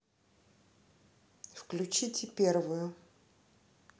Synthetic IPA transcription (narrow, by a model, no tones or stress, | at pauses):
fklʲʉt͡ɕitʲɪpʲervʊjʊ